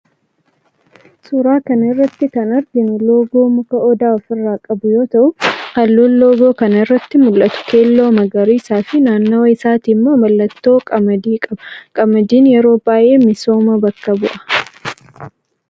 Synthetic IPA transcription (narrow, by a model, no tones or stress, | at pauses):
sʼʊɾaːkɐnɪrːɐt̪ːɪkɐnɐɾɡɪnʊlo̞ːɡo̞ːmʊkɐʔɔd̪aːɔfɪrːaːkʼɐbʊjo̞ːt̪ɐʔʊhɐlːoːllo̞ːɡoːkɐnɐɪrːɐt̪ːɪmʊlʔɐt̪ʊ̥ke̞ːlːoːmɐɡɐɾiːsaːfɪnaːnːoːɪsaːt̪iːmːoːmɐlːɐt̪ːoːkʼɐmɐd̪iːkʼɐbɐ̥kʼɐmɐd̪iːnjɛɾo̞ːbaːjʔeːmɪso̞ːmɐbɐkːɐbʊʔɐ̥